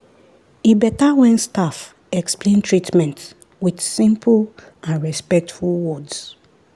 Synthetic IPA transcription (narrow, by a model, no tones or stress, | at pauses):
ebɛtawɛ̃nstaf | ɛksplẽntʰɹitmɛ̃nt | widsĩmpʰl | ãnɹɛspɛk̚tfulˠwɔds